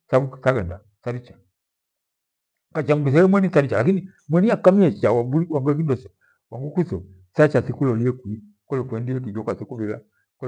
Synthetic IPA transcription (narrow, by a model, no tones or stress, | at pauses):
sabusaɡɛnda | saɾit͡ʃḁ | kat͡ʃaŋuɡis̬ɛlɛmwɛnisaɾit͡ʃalakini | mwɛniakamiɛt͡ʃawabuliwaŋɡuɛk̬indɔsɔ | waŋɡukusɔ | sat͡ʃasikulɔliɛkwi | kɔlɛkwɛndiɛk̬id͡ʒɔkwasikuβila̰ | kɔ